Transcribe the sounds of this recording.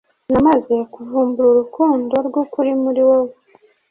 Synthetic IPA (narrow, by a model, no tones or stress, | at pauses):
namaze̞kuvuːmbuɾuɾukuːndo̞ɾɡokuɾimuɾiwow